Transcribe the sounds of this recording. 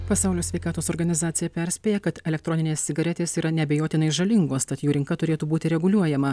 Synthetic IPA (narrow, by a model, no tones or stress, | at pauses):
pɐsɑˑʊlʲoːsʲʋʲɛɪkɑːt̪oːsɔɾɡɐnʲɪzɑːt̪sʲɪjɛpʲɛɾʲsʲpʲeːjɛkɐt̪ɛlʲɛk̚t̪ɾɔnʲɪnʲeːsʲsʲɪɡɐɾʲɛt̪ʲeːsiːɾɐnʲɛbʲejoːt̪ʲɪnɐɪʒɐlʲɪŋɡoːst̪ɐt̪juːɾʲɪŋkɐt̪ʊɾʲeːt̪uːbuːt̪ʲɪɾʲɛɡʊlʲuɔjɛmɐ